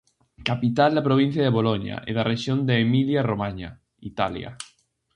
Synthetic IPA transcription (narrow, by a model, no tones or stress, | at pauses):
kapit̪ald̪apɾoβ̞in̟θjaðeβoloɲa̰ʔḛðarʔeʃjond̪eːmiljaromaɲa | it̪alja̰